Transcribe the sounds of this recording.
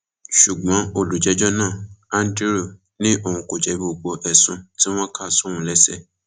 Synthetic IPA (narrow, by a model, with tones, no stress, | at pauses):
ʃu˨ɡ͡bɔ̃˨˦o˨lu˨˦d͡ʒɛ˨˧d͡ʒɔ˦nãː˦˨ã˦n˦de˦ɾo˦˨ | nĩ˦ʔo˦˨ũ˧˨ko˨d͡ʒɛ˨˦bo˨ɡ͡bɔ˧ʔɛ˨sũ˧ti˦w̃ɔ̃˦ka˦˨su˦wũ˨˦lɛ˦sɛ˦˨